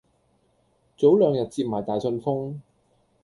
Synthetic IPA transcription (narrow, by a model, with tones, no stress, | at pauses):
t͡so˨˥wlœː˨˧ŋjɐ˨t̚t͡si˧p̚maː˨˩jt̪aː˨˩jsɵ˧nfʊ˥ŋ